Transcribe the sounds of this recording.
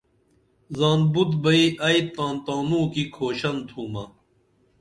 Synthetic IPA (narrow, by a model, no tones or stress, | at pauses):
zaːnbut̪bɐiʔɐit̪ãːnt̪ãːnũːkikʰoːɕɐnt̪ʰuːmɐ